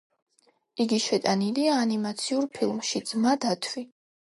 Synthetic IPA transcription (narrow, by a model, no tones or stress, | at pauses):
iɡiʃɛt̪ʼaniliaːnimat̪sʰiuɾpʰilˠmʃid̪zmad̪at̪ʰvi